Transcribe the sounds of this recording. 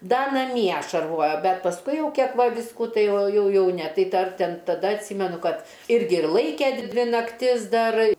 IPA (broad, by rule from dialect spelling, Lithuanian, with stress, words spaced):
ˈdɐ nɐˈmʲiɛ ʃɐrˈʋoːjoː ˈbʲɛt pɐsˈkʊɪ ˈjɛʊ ˈkʲiɛk ˈʋɐ ˈʋʲɪskʊ ˈtɐɪ ˈjɛʊ ˈjɛʊ ˈnʲɛ ˈtɐɪ ˈdɐr ˈtʲɛn tɐˈdɐ ɐtʲˈsʲiːmʲɛnʊ ˈkɐt ˈɪrʲɡʲɪ ɪr ˈlˠɐɪkʲɛ ˈdʲʋʲɪ nɐkˈtʲɪs ˈdɐr